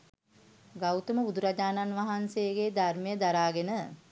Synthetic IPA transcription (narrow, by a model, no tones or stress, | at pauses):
ɡawt̪əməud̪uɾad͡ʒaːnanʋaɦansejəɡeːd̪armejəd̪aɾaːɡenə